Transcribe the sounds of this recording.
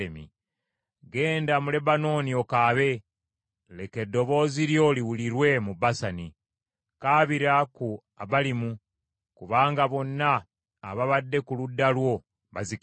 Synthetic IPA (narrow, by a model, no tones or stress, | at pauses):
emḭ | ɡe̞ːndamule̞bano̞nio̞kaːβe̞ | le̞ke̞dːo̞βo̞ːziɾjo̞liwuliɾwe̞mubasani | kaːβiɾaku | aβalimu | kuβaːŋɡaβo̞nːaː | βaβadːe̞kuludːalwo̞ | βazik